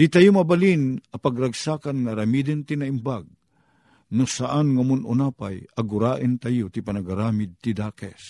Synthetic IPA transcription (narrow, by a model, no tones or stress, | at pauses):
d̪̥it̪ajʊmabalinɐpaɡɾaɡsaːkanŋaɾamid̪ɨnt̪inaimbaɡ̚ | nʊsaʔanŋamʊnʊ̰naːpajaɡʊɾaːʔənt̪ajʊt̪ipanaɡaɾaːmɪd̪̚t̪id̪aːkɛs